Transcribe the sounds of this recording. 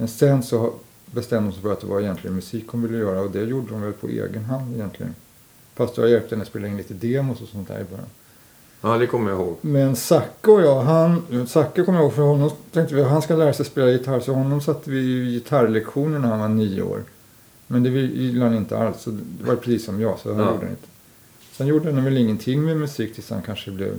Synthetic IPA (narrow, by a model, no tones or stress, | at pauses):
mɛnsɛnd̪sɔha | bɛst̪ɛmd̪hɔmsɛfœɾat̪̚d̪ɛvaɛjɛnt̪lɪɡənmɵsiːkːhɔmvɪlːəjœːɾaɔd̪ɛjuːɖːəʊmvɛlpʰɔ̰ḛːɡənɦand̪ɛjɛnt̪ʰlɪ̰ɡə̰n | fast̪jɔhajɛlp̚t̪əhɛnəspeːlaɪnliːt̪əd̪eːmʊsɔsɔnt̪̚ʰd̪æ̰ːɾɪbœ̰ɾja̰n | ɑːd̪ɛkʰɔmːəɾjahoːɡmɛnsakːaɔjɑːɦansakːakʰɔməjahoːɡfœɾhɔnːɔmt̪ʰɛŋt̪əvɪaɦanskalæːɾasɛjspeːlajɪt̪ʰaɾsɔhɔnːɔmsat̪ːəvɪjɪt̪ʰaɾlɛkɧuːnəɳæɾhanvaɳiːə̰o̰ːɾ | mɛnd̪ɛɪjɪlːəhanɪnt̪ə̰ʔalsːɔd̪d̪ɛvaɾpʰɾɛsiːsːɔmjɑːɡsɔ̰hanjṵːɖə̰nɪ̰nt̪ʰə̥ | sɛnjuːɖəhanɛnvɛlɪŋːənt̪ʰɪŋːmɛmɵsiːk̚t̪ʰɪlsha̰nkʰanʂəblɛ̰v